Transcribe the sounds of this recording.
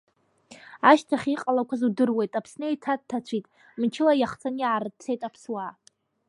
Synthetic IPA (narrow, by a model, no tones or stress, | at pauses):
aʃtʰaχʲiqʼalakʷʰazudɨrwe̞jtʼapʰsneejtʰad̚tʰːat͡sʷʰitʼ | mt͡ʃʰɪlajaχt͡sʰaniʕaɾɨt͡sʰe̞jtʼapʰswa